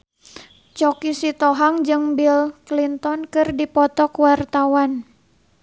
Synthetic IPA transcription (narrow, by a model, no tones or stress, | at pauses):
t͡ʃɔkisit̪ɔɦaŋd͡ʒɨŋbilklint̪ɔnkɨrdipɔt̪ɔkwart̪awan